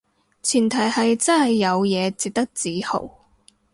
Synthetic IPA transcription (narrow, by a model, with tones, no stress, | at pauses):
t͡sʰiː˨˩nt̪ʰɐ˨˩jhɐ˨jt͡sɐ˥nhɐ˨jːɐ˨˧wjɛː˨˧t͡si˨k̚t̪ɐ˥k̚t͡siː˨˥ho̰˨˩w